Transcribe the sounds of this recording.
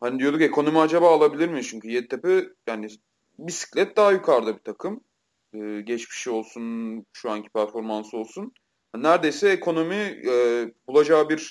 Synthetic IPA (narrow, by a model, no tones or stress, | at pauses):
hanid̪ijod̪ukce̞kʰo̞no̞miad͡ʒabaːlˠabilʲiɾmit͡ʃʰyɲcyjɛt̪ʰːepɯjaːni | bisi̥clʲɛt̪̚d̪aːjykʰaɾd̪ɯbit̪ʰakʰɯm | ɯːɟɛt͡ʃmi̥ʃio̞lˠsunʃuaɲcʰi̥pʰæɾfo̞ɾmansɯo̞lˠsun | hannæɾd̪e̞jsɛekʰo̞no̞miɛbulˠad͡ʒaːbiɾ